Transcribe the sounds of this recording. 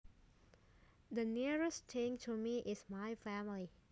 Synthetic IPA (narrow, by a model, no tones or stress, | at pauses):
d̪əniəɹəstʰẽŋtʰumiʔɪsmaɪfæmli